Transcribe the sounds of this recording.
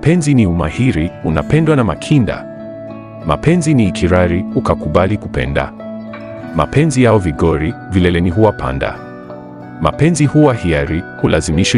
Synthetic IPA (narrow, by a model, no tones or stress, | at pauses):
mpɛnziniumahiɾiuna̰pɛndwanamakʰinda̰ | ma̰pʰɛnziniːkʰiɾaɾiukakuɓalikupɛ̰nda̰ | ma̰pʰɛnzijaɔviɡɔɾivilɛlɛniɦuwapʰa̰nda̰ | ma̰pɛnzihuwahiaɾihulʔazimiʃi